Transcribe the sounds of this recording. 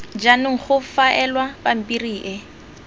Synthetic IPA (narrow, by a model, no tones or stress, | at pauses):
d͡ʒanɪŋ̩χʊfaʔɛlwapam̩pʼiriːʔɪ